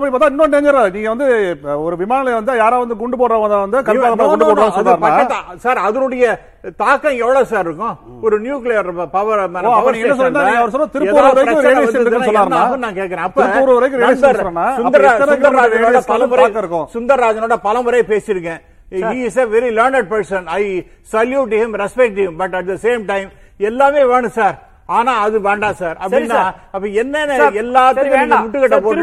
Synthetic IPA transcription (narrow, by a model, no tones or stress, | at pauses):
ɐpːɐɽɪpːoːt̪ãːɪnːõneːŋɡɐɾɐniːŋɡɐʋɐnd̪ɯɔɾɯʋɪmaːnɐlʋɐnd̪ajaːɾaʋɐnd̪ɯɡʊɳɖɯpoːɽɾɐ̃ʋɐnd̪aʋɐnd̪ɯkɐlpaðɐpːaːɐɡʊɳɖɯpoːɾːsɔnːaːɾnɐaːɐt̪ãsaːɾɐðɯnʊɽɐjɐ | t̪aːkːɐ̃ɛʋɐɭɐsaːɾɪɾɯkːʊ̃ | ɔɾɯnjuːklɪjɐɾpɐʋɐɾmoːɐɐnĩːɡɛnːɐs̬ɔlːinːaːniːŋɡɐʋɐɾsɔlːaːt̪ɪɾɯpuːɾɐʋɐɾɐɯɾeːiɯsɔnːaːɾnaːɐpːɐɾnãːkeːʈ̚kɐɾẽːɐp̪ːɪɾɯpuːɾɯʋɐɾɐkːɯɾeɪsd̪ɐsɔɾɐnːaːsʊd̪ɐɾasʊnd̪ɐɾaːd͡ʒɐoːɽɐpɐlɐmbɯɾɐkɾɯkːõsʊnd̪ɐɾɾaːd͡ʒɐnoːɽɐpɐlɐmɯɾɐjpeːsɪɾɯk̬ːɛ̃ | iːsɐʋɛɾilɐːɾɳɛɖ̚pɐɾsɐnɐɪ | sɐljuʈ̬ːhɪmɾɛspɛk̚ʈɪmbɐʈːɐʈ̚d̪ɐseːmʈɐɪm | ɛlːaːʋeːʋeːɳɯ̃saːɾ | aːnaːɐðɯʋeːɳɖãːsaːɾɐ̰pːɐɽinːaːɐpːɐɛnːɐnːɐɛlːaːt̪ːɯkːnɪ̃ŋɐmʊʈːɯkɛʈːɐpoː